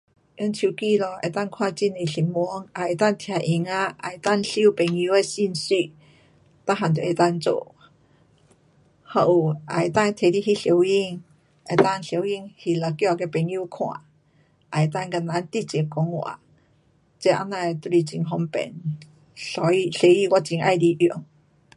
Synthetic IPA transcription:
ʔi˧˦nt͡ɕʰu˧˩ki˧lɔ˧ʔḛ˧˩t̪a˥˧˨ŋkʰwã˧t͡ɕi˧˩ne˨˧˩ɬi˨˩mu˧˦ŋʔa˨e˨˧˩t̪a˥˨ŋt̪ʰja˧˩ʔi˧ŋa˧˦ʔa˨e˨t̪a˥˧˨ŋɬi˧˦˨pe˨˩ŋju˧˦e˧si˥˧˨nsy˧ | t̪a˧˦ɦa˨t̪e˨e˧˩t̪a˥˧˨nt͡so̰˧˨ | ha˧ʔu˨˩a˨e˨˩t̪a˥˧ŋ˧t̪ʰe˨˧˨li˧˨hi˧˨ɬi˧˦wi˧˨ŋ | e˧t̪a˥˧˨ŋɬje˧˦wi˧˨ŋhi˨la˨˧˩kja˧ke˧pe˨ŋju˧˦kʰw̃ã̰˧˩ | ʔa˨˩jt̪a˥˧˨nka˧˨na˧˦nt̪i˧˨t͡ɕi˨˦kɔ˧˦ŋwa̰˨ | t͡ɕe˧˦ʔa̰˧na˧t̪i˧˩t͡ɕi˧ŋɦɔ˧ŋpɛ̰˨n | ɬɔ˧˦i˧ɬe˧˦i˧˨wa˧˩t͡ɕi˧˦ŋʔa˧jdi˧ʔu˨˦ŋ

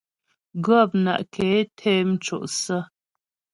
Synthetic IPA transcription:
ɡə˦˨p̚na̰˨ʔkʰe˨˦tʰe˦m̩˦t͡ʃo̰˨ʔsə˦

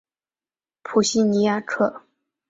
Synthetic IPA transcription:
pʰu˨˩ɕi˥˩ni˧˥ja˥˩ʈ͡ʂʰɤ˥˩

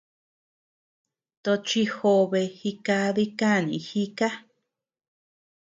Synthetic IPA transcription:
t̪o˧t͡ʃi˧xo˧βe˧xi˧ka˧ði˦ka˦˨nḭ̃˧˨xi˦ka˦

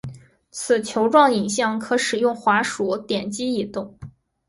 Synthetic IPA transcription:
t͡sʰɹ̩˨˩t͡ɕʰjo˧˥ʊʈ͡ʂwɑ˥˩ŋi˨˩nɕjɑ˥˩ŋkʰɤ˧˥ʂɻ̩˨˩jʊ˥˩ŋxwa˧˥ʂu˨˧˩t̪jɛ˨˩nt͡ɕi˥i˨˩t̪ʊ˥˩ŋ

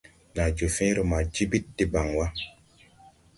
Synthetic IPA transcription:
na˨d͡ʒo˨fĩ˦ɾo˨ma˨d͡ʒi˦bi˦t̚di˦ba˨ŋwa˦

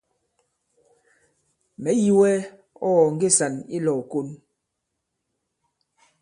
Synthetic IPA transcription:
mɛ˨˦ji˨wɛ˦ | ɔ˦˨ŋ̩˦ɡe˦˨sa˨ni˦lɔ˨ko˦n

